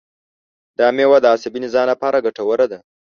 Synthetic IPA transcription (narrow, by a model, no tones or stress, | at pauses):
d̪ɑːmewad̪əːsabinizɑnlapɑɾaɡaʈawəɾad̪a